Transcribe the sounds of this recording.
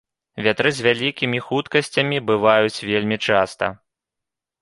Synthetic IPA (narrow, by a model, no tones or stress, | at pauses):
vʲat̪ɾɨzʲvʲalʲikʲimʲixut̪kɐsʲt͡sʲɐmʲibɨvajut͡sʲvʲelʲmʲit͡ʂast̪ɐ̰